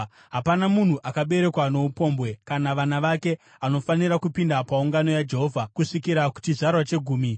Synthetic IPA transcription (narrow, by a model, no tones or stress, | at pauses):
ɦapanamun̤uʔakaɓe̞ɾe̞kwano̞upo̞ːmbwe̞kanaʋanaʋake̞ | ano̞faniɾakupindapauŋɡano̞jad͡ʒe̞ɦo̞ːvʱakuʂikiɾaku̥t͡ʃizarwat͡ʃe̞ɡʱuːmi